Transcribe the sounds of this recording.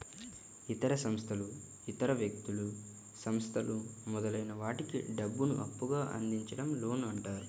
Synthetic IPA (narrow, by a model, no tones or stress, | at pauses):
it̪ɐɾɐsɐmst̪ʰɐlu | it̪ɐɾɐʋjɐk̚t̪ulu | sɐmst̪ʰɐlumɔd̪ɐlɐjnɐʋaːʈikḭɖɐbːunṵʔɐpːuɡaːʔɐ̰nd̪iɲt͡ʃɐɽɐmlo̞ːnuɐɳʈaːɾu